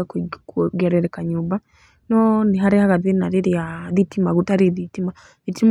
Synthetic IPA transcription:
akɡɛɾɛɾɛkaɲuːba | nɔniɦaɾehaɣaðenaɾeɾiaðitimaɣutaɾeðitima | ðitim

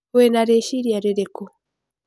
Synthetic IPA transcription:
enaɾeʃiɾiaɾeɾeko

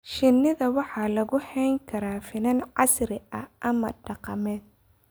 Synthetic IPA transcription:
ʃɪnːɪðɐwɑħɑːlɐɣʊhɛjŋkʰɐɾaːfɪnɐnʕɑsɾɪʔɐ̰ʔɐmɐ̰ɖɑqɑ̰mɛːd̪̚

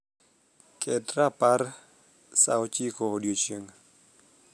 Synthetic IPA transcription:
kʰɛtɾapar | sa̰wɔt͡ʃikodjot͡ʃjeŋ

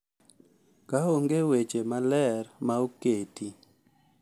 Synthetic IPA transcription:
kaoŋɡewet͡ʃemalɛɾmaoketi

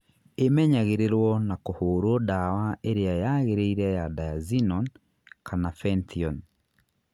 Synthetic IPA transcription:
emɛɲaɣeɾeɾwɔnakohoːɾodawaʔeɾeajaɣeɾeiɾɛjadajazinɔn | kʰanafɛntiɔn

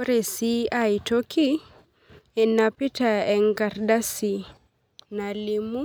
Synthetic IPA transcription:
ɾesiajtokʰi | ɛnapitaɛŋɡaɾdasi | nalimu

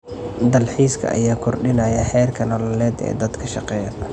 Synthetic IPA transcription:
d̪ɐlħiːskʰɐ̰ʔɐ̰jaːkʰɔrɖɪnɐjɐħɛːrkʰɐnɔːlɐlɛːd̪ɛ̰ːd̪ɐd̪kʰɐʃɑqɛːjɐ

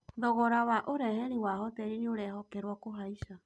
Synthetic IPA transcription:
ðɔɣɔɾawaʔoɾɛhɛɾiwahɔtɛɾinioɾɛɦɔkɛɾwɔkoɦaiʃa

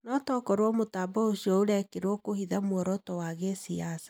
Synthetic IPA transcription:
nɔtɔkɔɾwɔmotaːbɔoɕiɔoɾɛkeɾwɔkohiðamwɔɾɔtɔwaɣesiasḁ

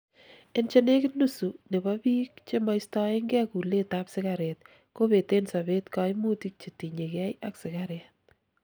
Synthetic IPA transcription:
ent͡ʃenekɪnusunebabik̚t͡ʃemajstɑeŋɡɛkuletapsɪkaɾet̚ | koβetensaβetkɑjmutik̚t͡ʃetiɲekɛjaksɪkaɾet̚

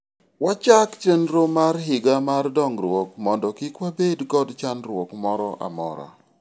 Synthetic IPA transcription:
wat͡ʃakt͡ʃenɾomarɦɪɡamardɔŋɾwokmɔndɔkɪkwabedɡɔdt͡ʃanɾwɔkmɔɾɔʔa̰mɔ̰ɾɔ̰

